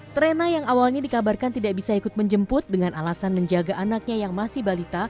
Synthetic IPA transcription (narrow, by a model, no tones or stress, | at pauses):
t̪əɾenajaŋawalɲadikabarkant̪idaʔbisaikʊt̪̚məɲd͡ʒəmpʊt̪̚dəŋanalasanməɲd͡ʒaɡaʔanak̚ɲajaŋmasihbalit̪a